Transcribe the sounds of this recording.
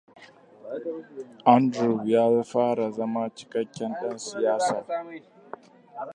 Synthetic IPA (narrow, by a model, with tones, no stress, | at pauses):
ʔa˦ndɾu˨bjaː˦ɸaː˦ɾa˨zɐ˦ma˦t͡ʃɪ̥˦kɐ˦kʲːɛ˦nɗɐ˦nsɪ˨jaː˦saː˨